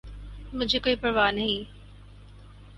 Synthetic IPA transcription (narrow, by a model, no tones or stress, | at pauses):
mʊd͡ʒʱekoːipɾʋaːnɐɦĩ